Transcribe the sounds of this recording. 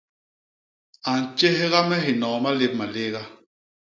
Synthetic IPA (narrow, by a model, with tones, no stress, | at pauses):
a˨n˨t͡ʃe˦ɦe˦ɣa˦mɛ˦ɦi˨nɔ̃˨ma˦le˦p̚ma˨le˦ɣa˦